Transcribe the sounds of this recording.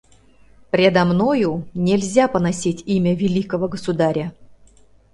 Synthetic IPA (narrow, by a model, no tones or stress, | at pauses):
pɾʲed̪amnojunʲelʲzʲapənasʲitʲimʲəvʲɪlʲikəvəɡəsud̪aɾʲə